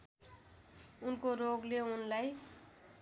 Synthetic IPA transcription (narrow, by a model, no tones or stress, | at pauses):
unkoɾoɡleunlaj